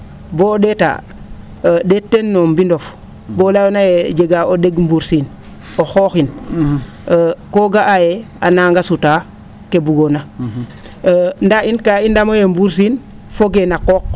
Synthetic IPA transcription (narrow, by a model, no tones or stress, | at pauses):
bodeta̰ | detːenːombindof | bolajonajed͡ʒeɡaodeɡmbuɾsin | oxoːxin | koɡaʔaje | a̰naːŋɡasuta | kebuɡona | ndainkaindamojembuɾs̬in | foɡenakoːk